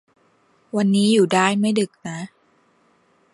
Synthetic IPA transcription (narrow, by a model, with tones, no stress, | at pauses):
wa˧nːiː˦˥juː˨˩daː˥˩jma˥˩jdɯ˨˩k̚na˦˥